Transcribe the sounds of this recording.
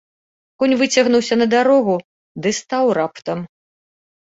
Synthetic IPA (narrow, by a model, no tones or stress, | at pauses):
kɔnʲvɨt͡sʲɐɣnuwsʲɐnɐd̪aɾɔɣu | d̪ɨst̪awɾapt̪ɐm